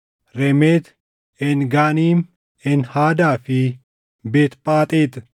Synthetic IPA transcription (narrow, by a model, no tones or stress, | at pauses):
ɾɛmeːt̪ | ɛnɡaːniːm | ɛnhaːd̪aːfɪ | beːt̪pʼaːt̪ʼeːt̪